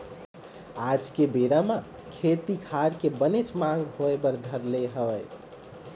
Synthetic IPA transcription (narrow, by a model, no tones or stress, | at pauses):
ad͡ʒkebeɾamã | kʰet̪ikʰaɾkebənet͡ʃmãɡɦoebəɾd̪ʱəɾleɦəʋəj